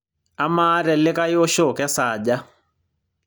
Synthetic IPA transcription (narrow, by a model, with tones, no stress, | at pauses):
a˦maː˦ɾɛ˨lːɪ˦ka˦jo˦ʃo˦˨kɛ˦saː˨d͡ʒa˦